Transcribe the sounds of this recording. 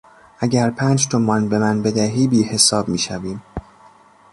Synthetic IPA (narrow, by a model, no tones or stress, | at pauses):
ʔæɟæɾpʰæːnd͡ʒt̪ʰomɒːnbe̞mænbe̞d̪æɦiːbiːhe̞sɒːbmiːʃæviːm